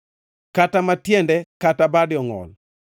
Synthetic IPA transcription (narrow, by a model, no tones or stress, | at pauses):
katamatjɛndɛkatabadjɔŋɔ̰l